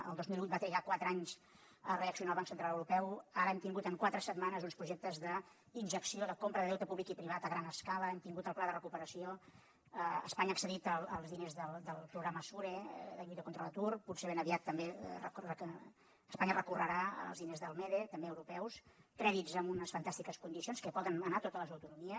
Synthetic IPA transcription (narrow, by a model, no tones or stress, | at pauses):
ə̰lˠd̪ozmilˠut̪̚bat̪ɾiɣakwat̪ɾəaɲz | əreəksiuonalˠβaŋksənt̪ɾalˠəwɾupɛwaɾəɛmt̪iŋɡut̪əŋkwat̪ɾəsəd̪manəzunspɾuʒɛk̚t̪əzðə | inʒəksioðəkompɾəðəðɛwt̪əpuβlikipɾiβ̞at̪əɣɾanəskaləɛmt̪iŋɡut̪əlˠplaðərəkupəɾəsio | əə̰spaɲəːksəðit̪əlˠəlˠzðinezðəlˠd̪əlˠpɾuɣɾaməsuɾeðəʎujt̪əkont̪ɾələt̪urputseβɛnəβiat̪ːəmberə̰rə | əspaɲərəkurəɾaə̰lˠzðinezðəlˠmeðet̪əmbeəwɾupɛwskɾɛðizəmunəsfənt̪ast̪ikəskund̪isionskəpɔðənənat̪ot̪ələzəwt̪unumiə